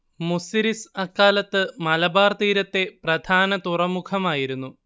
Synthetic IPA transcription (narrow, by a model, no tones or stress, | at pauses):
musiɾisɐkːaːlɐt̪ːɨmɐlɐbaːrt̪iːɾɐt̪ːe̞prɐd̪ʱaːnɐt̪urɐmukʰɐmaːjiɾunːu